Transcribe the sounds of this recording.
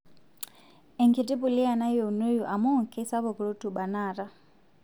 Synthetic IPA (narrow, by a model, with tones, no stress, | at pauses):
ɛŋkʰɛ˨ti˦pu˨li˦a˨na˦jɔ˨u˨no˦jɔ˨ʔa˨mɔ˦˨ŋkʰɛ˦sa˦βɔ˨kɔ˨ɺɔ˦tʰu˨ɓa˨naː˨ɾa˦